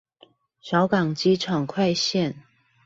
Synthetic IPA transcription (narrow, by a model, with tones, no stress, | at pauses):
ɕjɑ˧˥ʊkɑ˨˩ŋt͡ɕi˥ʈ͡ʂʰɑ˨˩ŋkʰwa˥˧ɪɕjɛ˥˩˨n